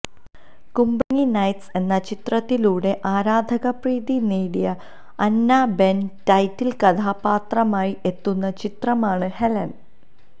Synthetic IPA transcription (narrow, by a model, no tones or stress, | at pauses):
kumbɐŋinɐjtse̞nːɐt͡ɕit̪rɐt̪ːiluːɽe̞ʔaːɾaːd̪ʱɐɣɐpriːðineːɽijɐ | ɐnːaːbe̞ntɐjtːilkɐt̪ʰaːpaːt̪rɐmaːjiʔe̞t̪ːunːɐt͡ɕit̪rɐmaːɳɨhelɐn